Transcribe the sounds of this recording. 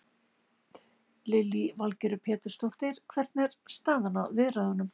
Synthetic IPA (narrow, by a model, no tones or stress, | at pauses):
lɪlivalcɛɾʏpʰɛːt̪ʏɾ̥st̪owht̪ɪɾ̥kʰvɛɾ̥t̪̚nɛɾst̪aːðanaðvɪðɾaðhanːʏm